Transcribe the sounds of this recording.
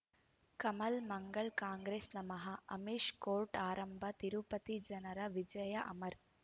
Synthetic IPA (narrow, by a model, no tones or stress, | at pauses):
kɐmɐlmɐŋɡɐɭkaːŋɡɾeːsnɐmɐɦɐʔɐmiʂkoːɾʈaːɾɐmbʱɐt̪iɾupɐt̪id͡ʒɐnɐɾɐʋid͡ʒɐjɐʔɐ̰mɐɾ